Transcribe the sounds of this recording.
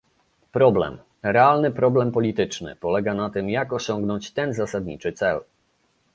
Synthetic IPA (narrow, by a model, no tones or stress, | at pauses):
pɾɔblɛ̰m | ɾɛalnɘpɾɔblɛmpɔlʲit̪ɘt͡ʂnɘ̰pɔlɛɡanat̪ɘmjakɔɕɔŋɡnɔɲt͡ɕt̪ɛnzasad̪ɲḭt͡ʂɘt̪sɛl